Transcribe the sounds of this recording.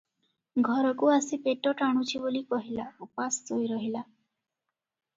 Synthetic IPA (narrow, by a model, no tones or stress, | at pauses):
ɡʱɔɾɔkuasipeʈɔʈaɽ̃ut͡ʃʰibolikɔɦilaupasd͡ʒojɾɔɦila